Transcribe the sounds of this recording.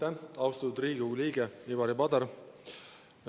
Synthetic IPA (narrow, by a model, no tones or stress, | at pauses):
æɑwst̪ɑt̪ud̪ɾiːɡiuliːɡeibɑɾipɑd̪ɑɾ